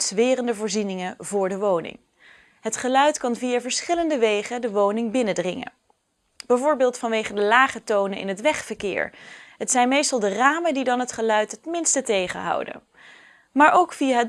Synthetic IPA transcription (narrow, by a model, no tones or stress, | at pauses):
tzʋɪːrəndəvʊːɹzinɪŋəvʊːɹdəʋownɪ̰ŋ | ɦətχəlœɥtkɑnvijavəɹsχɪləndəʋejχədəʋownɪŋbɪnədrɪŋə̰ | b̥ɛjvʊːɹbɪːlˠtfɑnʋejχəndəlaːχətownəʔɪ̰nɦətʋɛχfəɹkɪ̰ːɹɦətsɛjnmejstɑlˠdəraːməndidɑnɦətχəlœɥtɦətmɪnstətejχə̰ɦɑ̰wdə̰ | maːɹʔowkfijaɦə